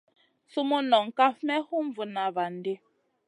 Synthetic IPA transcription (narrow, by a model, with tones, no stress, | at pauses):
su˦mu˦nɔ˨ŋ̩˨ka˦fmɛ˦hu˦ɱ˦vu˨na˨βa˨n˦de˦